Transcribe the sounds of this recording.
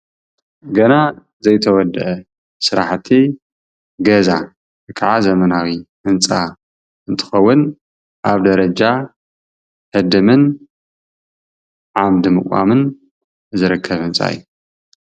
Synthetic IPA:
ɡɐna | zɐjt̪ʰɐwɔd̪ɨʔɐ | sɨɾaħt̪ʰi | ɡɐza | ɨkʰaʕazɐmɐnawiʔɨnt͡sʼa | ʔɨnt̪ʰɨ̥xɐwːʊn | ʔaβd̪ɐɾɐd͡ʒa | hɨd̪ɨmɨn | ʕamd̪ɨmɨkʷʼa̰mɨn | zɨɾɨkʰːɐβhɨnt͡sʼa̰ɨjːu

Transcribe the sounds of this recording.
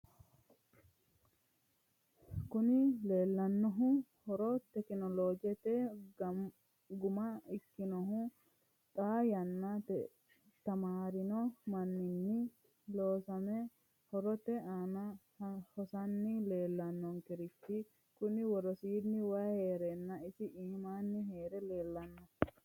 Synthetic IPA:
kʊnɪle̞ːlːɐnːɔɦʊhɔɾɔt̪ɛkɪnɔloːd͡ʒɛt̪ɛ | ɡʊmɐɪkːɪnɔɦʊ | t̪ʼajɐnːɐ | t̪ɐmaːɾɪnɔmɐnːɪnːɪ | loːsɐmɛ | hɔɾɔt̪ɛanɐhhɔsɐnːɪle̞ːlːɐnːɔŋkɪɾɪt̪ːɪ | kʊnɪwɔɾɔsiːnɪwaːheːɾɛnːɐɪsɪʔiːmaːnːɪɦeːɾɛleːlːɐnːɔ

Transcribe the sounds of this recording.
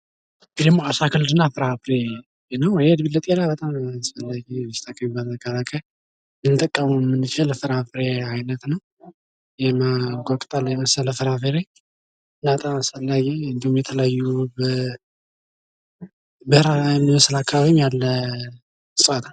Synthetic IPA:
bd̪əmːoasakʰɨld̪ɨnːafɨɾafɾe | nəwjɛd̪bilːət̪ʼelabət̪ʼamasfəlːaɡiməst̪ʰakʼːəmibat̪əkat̪akʰə | nɨnt̪ʼəkʼːəmumːɨnɨt͡ʃaləfɨɾafɾeajnət̪nəw | jɛmaɡokʼt̪ʼalːjɛməsələfɨɾafeɾe | ɨnːabət̪ʼamasfəlːaɡiɨnd̪ihumjɛt̪ʰələjajːubə | bɨhɾajɛmːiwɔsɨlakʰːaβaβimjalːə | sʼəwat̪ʰn

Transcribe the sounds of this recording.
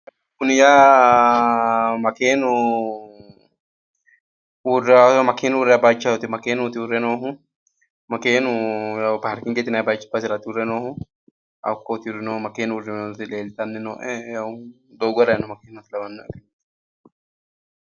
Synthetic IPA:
kːʊnɪjaː | mɐkeːnʊ | urːsɔmɐkeːnʊʊrɛɐbaːt͡ʃːɐwʊt̪ɪmɐkeːnʊt̪ɪʊrːɛnoːɦʊ | mɐkeːnʊjapaːɾkɪŋɡɛt̪ɪnɐbaːt͡ʃːɪ̥bɐsɪɾɐt̪ɪʊɾːɛnoːhʊ | ɐ̰kːoːt̪ɪʊɾɛnoːmɐkeːnʊrːɪmnot̪ɪleːlt̪ʼɐnːɪnoːʔɛja | d̪oːɡɔɾɐɛnɔmɐkeːnɐt̪ɪlɐbɐnːʊʔɛkːɐnet̪ː

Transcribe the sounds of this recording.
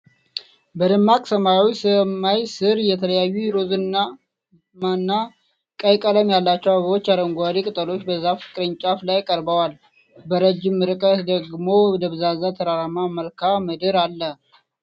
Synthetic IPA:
bəd̪ɨmːakʼsəmajawisəmajsɨɾjɛt̪ʰələjajːuɾozɨnːa | manːa | kʼəjkʼələmjalːat͡ʃːɛwaβəwot͡ʃːaɾəŋɡʷaɾikʼɨt̪ʼəlo̞t͡ʃːbəzːafɨ̥kʼɨɾɨɲt͡ʃʼaflajkʼəɾbəwal | bəɾəd͡ʒɪmːɨɾkʼət̪d̪əɡmo̞d̪əβɨzazat̪ʰəɾaɾamaməlkʰamɨd̪ɨɾalːə

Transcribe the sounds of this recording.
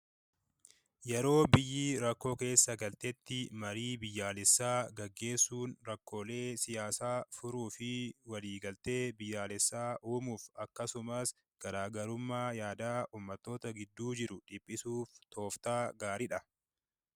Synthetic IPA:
jɛɾo̞ːbɪjːiːɾɐkːo̞ːke̞ːsːɐɡɐlt̪ɛt̪ːɪmɐɾiːbɪjːaːlɛsːaːɡɐɡːe̞ːsːuːnɾɐkːo̞ːle̞ːsɪjaːsaːfʊɾuːfɪwɐliːɡɐlt̪e̞ːbɪjːaːlɛsːaːʔuːmuːfɐkːɐsʊmɐs | ɡ̥ɐɾaːɡɐɾʊmːaːjaːd̪aːʔuːmːɐt̪ːo̞ːt̪ɐɡɪd̪ːuːd͡ʒɪɾʊᶑɪpʼːɪsuːft̪o̞ːft̪aːɡaːɾɪᶑɐ

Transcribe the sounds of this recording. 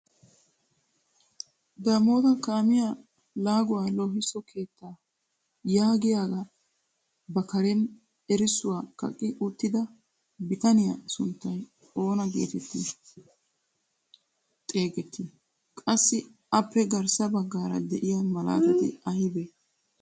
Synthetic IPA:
d̪aːmo̞ːt̪ɐkaːmɪja | laːɡʊwaːloɦɪsɔkʰe̞ːt̪ːaː | jaːɡɪjaːɡɐ | bɐkɐɾɛn | ɛɾɪsʊwaːkɐ̰kʼːɪʔʊt̪ːɪd̪ɐ | bɪt̪ɐnɪjɐsʊnt̪ːɐj | o̞ːnɐɡḛːt̪ɛt̪ːɪ | t̪ʼe̞ːɡɛt̪ːɪ | kʼɐsːɪ | ɐpːɛɡɐɾsɐbɐɡːaːɾɐ̰d̪ɛʔɪjamɐla̰ːt̪ɪd̪ɛ̰ʔɐhɪbɛ

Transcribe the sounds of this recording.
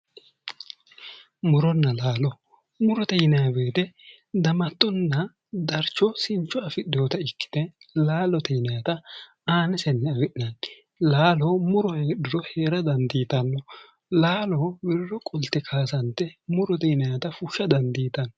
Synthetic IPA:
mʊɾɔnːɐlaːlɔ | mʊɾɔt̪ɛjnɐjɐbe̞ːt̪ɛ | d̪ɐmɐt̪ːɔnːɐ | d̪ɐɾt͡ʃːɔsɪnt͡ʃːɔɐfɪɗoːt̪ɐɪkːɪ̥d̪̥ɛlaːlɔt̪ɛjnɐjɐt̪ɐ | aːnɛsɛnːɛɐwɪʔɪnɐn | laːloːmʊɾɔheːɗɪɾɔheːɾɐd̪ɐnd̪iːt̪ɐnːɔ | laːloːwɪɾːɔkʼɔlt̪ːɛkʰaːsɐnt̪ːɛmʊɾɔt̪ɛjnɐjɐt̪ɐfʊʃːɐd̪ɐnd̪iːt̪ɐn

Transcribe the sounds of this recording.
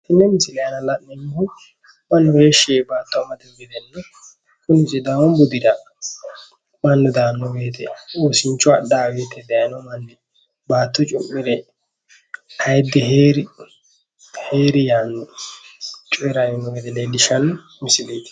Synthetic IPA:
hɪnːɛmɪsɪlɛjɐnɐlɐʔnɛɲːhʊ | mɐnːɔheːʃeːbaːt̪ːɔɐmɐd̪ɛɡɛd̪ɛnːɐ | kʊnɪsɛd̪awɔmbʊd̪ɪdɐ | mɐnːɔd̪aːnːɔbeːt̪ʰɛoːsɪnt͡ʃːɔɐɗːaːweːt̪ɛd̪ɛjɐnɔmɐnːɪ | baːt̪ːɔt͡ʃʼʊmːɪɾɛ | hɐjd̪ːɛɦeːɾ | heːɾɪjanːɔ | t͡ʃʼɔɛɾajɪnːɔɡeːt̪ɛledɪʃɐn | mɪsɪleːd̪

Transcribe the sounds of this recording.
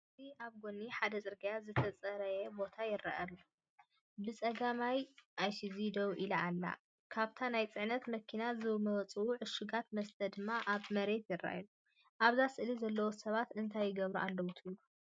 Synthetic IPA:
ɨzʰiʔaβɡonːiħad̪ɐt͡sʼɨɾɡɐjazɨt̪ʰɐt͡sʼɐɾɐjɛbo̞t̪ʰajɪra̰ʔɐlu | bɨt͡sʼɐɡamajʔajsizid̪owʔilaalːa̰ | kʰaβt̪ʰanajt͡sʼɨʕnɐt̪mɐkʰinazɨβmɐwt͡sʼɨwuʕɨʃuɡat̪mɐst̪ʰɐd̪ɨmːaʔaβmɐɾe̞t̪jɪrːa̰ʔlu | ʔaβzasɨʔlizɐlːɐwosɐβat̪ɨnt̪ʰajːɪɡɐβɾuʔalːɐwut̪ʰɨlːu

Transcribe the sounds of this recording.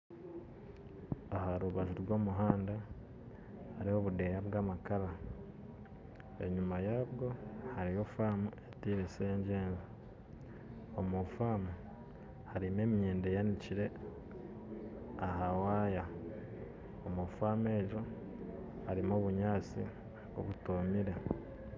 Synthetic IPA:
ahaɾuβaʒuɾɡo̞ːmuɦaːnda | haɾio̞βude̞jaβɡaːmakaɾa | e̞̰ɲumajaːβɡo̞haɾijo̞faːmuetiɾeseɲɟeːnza | omufaːmu | haɾime̞ːmijeːndejaniciɾe̞ | aɦawaːja | omufaːme̞ːʒo | haɾimo̞ːβuɲaːt͡sḭ | o̰βutomiɾe

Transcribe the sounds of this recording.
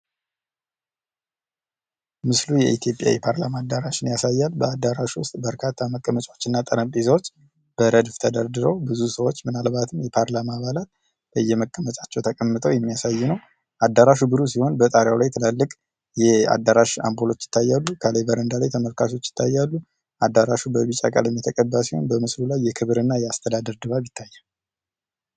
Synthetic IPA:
mɨslujɛʔit̪ʰjo̞pʼja̰jɛpʰaɾlamaːd̪ːaɾaʃɪnjasajːalbəad̪ːaɾaʃwʊst̪ʼbəɾkʰat̪ʰːaməkʼːəmət͡ʃʼwot͡ʃːɨnːat̪ʼəɾəmpʼizəwot͡ʃː | b̥əɾəd̪ft̪ʰəd̪əɾd̪ɨɾəwbɨzusəwot͡ʃːmɨnalbat̪ʰɨmjɛpʰaɾlamaːβalat̪̚ | b̥əjːɛməkʼːəmət͡ʃʼat͡ʃːɛwt̪ʰəkʼəmːɨt̪ʰʼəwjɛmːijasajːunəw | ʔad̪ːaɾaʃubɨɾusiho̞nbət̪ʼaɾjawlajt̪ʰɨlalːɨkʼ | jɛa̰d̪aɾaʃa̰mbolo̞t͡ʃːjɪ̥t̪ʰːajːalːukʰalebəɾənd̪alajt̪ʰəməlkʰaso̞t͡ʃːjɪ̥t̪ʰːajːalːu | ʔad̪ːaɾaʃubəβɨt͡ʃʼa̰kʼa̰ləmːjɛt̪ʰəkʼəbːəsiho̞̰nbəmɨslulajːɛkʰɨβɾɨnːajɛast̪ʰəd̪ad̪əɾd̪ɨβaβɪt̪ʰːajːal

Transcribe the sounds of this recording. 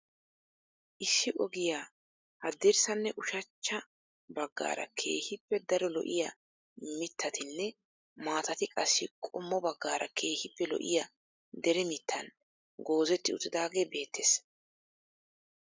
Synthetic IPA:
ʔɪsːɪʔɔɡɪjaː | hɐd̪ɪɾsɐnːɛʔʊʃɐt͡ʃːɐ | bɐɡːa̰ːɾɐ̰kʰe̞̰ːhɪpːɛd̪ɐɾɔlɔ̰ʔɪjɐ | mɪt̪ʰːɐt̪ɪnːɛ | maːt̪ɐt̪ɪkʼɐsːɪkʼɔmːɔbɐɡːaːɾʔɐ̰kʰe̞ːhɪpːɛlɔ̰ʔɪ̰jɐ | d̪ɛɾɛmɪt̪ʰːɐn | ɡo̞ːzɛt̪ːɪʊt̪ːɪd̪aːɡeːbe̞ːt̪ːeːs

